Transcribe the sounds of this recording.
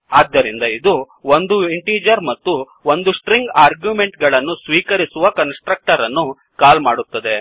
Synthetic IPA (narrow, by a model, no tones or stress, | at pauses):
aːd̪ːɐɾind̪ɐid̪u | ond̪uiɳʈiːd͡ʒɐɾmɐt̪ːu | ond̪usʈɾiŋɡaːɾɡjume̞ɳʈɡɐɭɐnːusʋiːkɐɾisuʋɐkɐnsʈɾɐk̚ʈɐɾɐnːu | kaːlmaːɽut̪ːɐd̪e̞